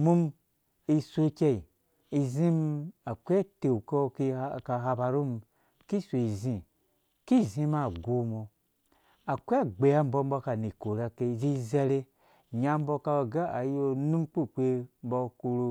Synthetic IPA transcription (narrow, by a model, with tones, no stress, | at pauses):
mu˦m | i˧so˦ke˦i˨ | i˧zi˦ma˨kʷe˦te˨u˨ko˦ki˧˦ka˨ɦa˧ba˧ɾu˦m˨ | ki˦˨sʷo˨i˨zĩ˨ | ki˦˨zĩ˧ma˨ɡo˨mo˨ | a˨kʷa˦ɡ͡be˨ja˦m̩˦bo˦m̩˦bo˧ka˨ni˨ko˨ɾa˧ke˧˨zi˦ze˦ɾe˦ | ɲa˨m̩˦bo˧ka˧˨ɡa˦a˨jo˧nu˦mk͡pu˦˨k͡pʷe˦m̩˦bɔ˧ku˧ɾo˧